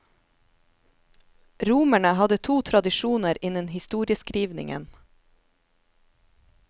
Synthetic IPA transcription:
ɾuːmæɳəhɑd̪ət̪ʰuːt̪ʰɾɑd̪ɪʃuːnəɾɪnənhɪst̪uːɾɪəskɾiːʋnɪ̰ŋə̰n

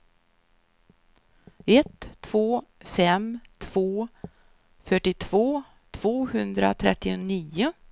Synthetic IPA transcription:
ɛt̪ʰːv̥oːfɛmt̪ʰv̥oː | fœʈːɪt̪ʰv̥oː | t̪ʰv̥oːhɵnd̪ɾa̰t̪ʰɾɛt̪ːɪʊniːʊ

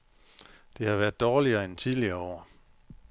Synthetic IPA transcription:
d̥e̝hɑ̈ʋæɐd̥ˠɒːliɐːent͡sʰiðˠliɐɒ̰ː

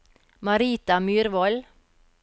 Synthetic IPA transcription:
mɑɾiːt̪ɑmyːɾʋɔl

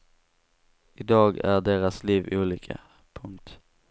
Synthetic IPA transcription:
ɪd̪ɑːɡæ̰ɖeːɾasliːvuːliːkʰə̰ | pʰɵŋk̚t̪

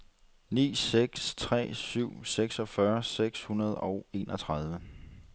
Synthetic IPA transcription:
nḭːseɡ̥st͡sʰʁɛ̰ːsyʊ̰seɡ̥sɒ̽fɶɐseɡ̥shunɐð̞̩ˠɒʊe̝̰ːnʔɒ̽t͡sʰʁɑð̞ˠʋə

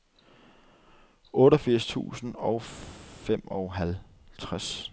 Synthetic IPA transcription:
ɔ̽ːɾɒfiɐ̰st͡sʰṵːsn̩ɒ̽ʊfem̰ɒʊɦæl | t͡sʰʁas

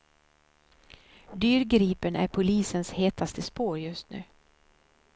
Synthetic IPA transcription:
d̪yːɾɡɾiːpənæ̰ɾpʰʊliːsənsheːt̪ʰast̪ʰəspoːɾjɵst̪nʉ̟ː

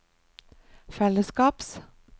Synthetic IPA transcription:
fɛləskɑːps

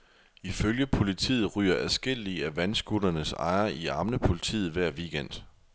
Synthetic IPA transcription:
iføljəpʰo̝lit͡sʰḭːð̞̩ˠʁy̰ːɐʔæsɡ̥e̝l̰iæʋænsɡ̥ud̥ɐnəsɑ̈ɪɐʔiɑ̈mnəpʰo̝lit͡sʰḭːð̩ˠʋæɐ̰ʋiːɡ̥en̰d̥

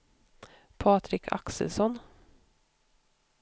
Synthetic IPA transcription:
pʰɑːt̪ɾɪkʰa̰ksə̰lsɔn

